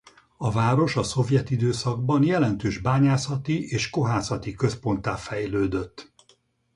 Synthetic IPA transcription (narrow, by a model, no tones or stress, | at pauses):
ɒvaːɾo̞ʃɒso̞vjɛt̪id̪øːsɒɡ̚bɒnjɛlɛnt̪øːʒbaːɲaːsɒt̪iʔeːʃko̞ɦaːsɒt̪ikø̞spo̞nt̪aːfɛjløːd̪ø̞t̪ː